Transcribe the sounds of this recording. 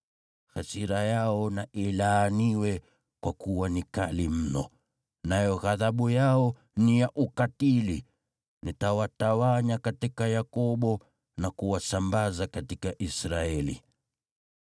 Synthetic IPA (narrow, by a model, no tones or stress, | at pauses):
xasiɾajaɔnaʔilaːniwɛ | kwakuwanikalim̩nɔ̰ | najɔɣaðaɓujaɔ | nijaʔukatili | nitawatawaɲakatikajakɔɓɔ | nakuwasambazakatikaʔisɾaɛlḭ